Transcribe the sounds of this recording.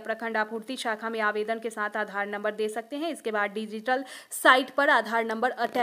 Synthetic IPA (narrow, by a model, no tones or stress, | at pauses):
pɾɐkʰə̃ɳɖaːpuːɾt̪iʃaːkʰamẽaːʋeːd̪ənkesaːt̪ʰaːd̪ʱaːɾnɐ̃mbəɾd̪eːsɐk̚t̪eɦɛ̃ɪskebaːd̪ɖɪd͡ʒɪʈəlsaːɪʈpɐɾaːd̪ʱaːɾnɐ̃mbəɾɐʈɛ